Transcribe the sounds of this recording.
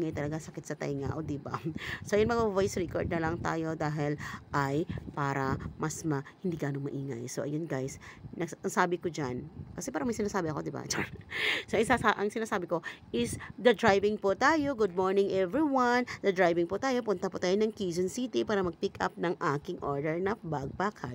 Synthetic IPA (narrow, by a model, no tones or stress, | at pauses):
ʔiːŋɐjt̪ɐlɐɡasɐkɪt̪sɐt̪ɐ̰jŋa̰ʔod̪ɪba̰soʔjʊŋmɐŋavojsɹikoɹd̪̚nɐlɐŋt̪a̰ːjod̪aːɦɪlʔɐjpaːɾɐmɐsmɐhɪnd̪iːɡaːnoŋmɐʔiːŋɐ̰jsoʔɐ̰jonɡajsnɐɡsʔɐŋsaːbɪkod͡ʒankɐsɛpaɾɐŋmɐjsɪnaːsaːbɪɐko̞d̪ɪba̰t͡ʃɛ̰ɹsoʔɐŋsasaʔɐŋsɪnaːsaːbɪko̞ʔɪsd̪ɐd̪ɹajbɪŋpot̪aːjo̞ɡʊd̪̚moɹnɪŋʔɛvɹiwɐnd̪ɐd̪ɾajbɪŋpʊt̪aːjo̞ppʊnt̪ɐpʊt̪aːjonɐŋkiːzonsiːt̪ipaːɾɐmɐɡ̚pikʔɐ̰p̚nɐŋʔaːkɪŋʔo̰ɹd̪ɛɹnɐbaɡ̚pakʰa